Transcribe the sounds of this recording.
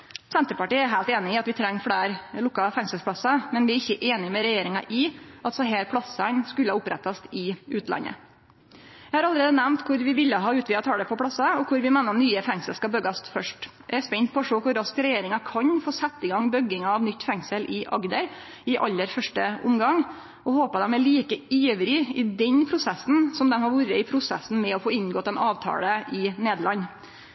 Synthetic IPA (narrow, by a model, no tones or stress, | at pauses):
sɛnt̪əɾpɑʈiːəæɾɦæɪlt̪eːnɪɪːɑt̪ʋɪt̪ʰɾɛŋːfɽæːɾlʊkːɑfɛŋsəlspʰɽɑsɑmɛnʋɪæɾɪçːəʔeːnɪmɛɾɛjeːɾɪŋɑʔɪʔɑlt̪sɔɦeːɾpʰɽɑsənskʉlːəhɑʊpɾɛt̪ːɑst̪ɪʉːt̪ʰlɑ̰nːə̰ | jæɛɪhɑɾɑləɾeːd̪ənæmnt̪kʰʊɾʋɪʋɪlːəɦɑːʉːt̪ʋɪɑt̪ʰɑːɖ̪ɛpʰɔpʰɽɑsɑɔkʰʊɾʋɪmeːnəɔnyːəfɛŋsəlskɑbœɡɑsfœʂʈjææɾspɛnt̪̚pʰɔɔʂoːkʊɾːɑskəɾɛjeːɾɪŋɑkʰɑɲfoːsæt̪ːɪɡɑŋbœɡɪŋɑɑʋnʏt̪ːfɛŋsəlʔɪʔɑ̰ɡd̪əɾ | ɪʔɑlːəɾfœʂʈəʔʊmɡɑŋ | ʔɔhoːpəd̪ɛmæɭiːkəiːʋɾɪɪd̪ɛnpʰɾʊsɛsn̩sɔmd̪ɛmhɑɾʋuːɾəɪpʰɾʊsɛsn̩mɛɔfoːɪnɡɔːt̪ːɛnʔɑːʋt̪ʰɑ̰ːləɪneːd̪lɑnː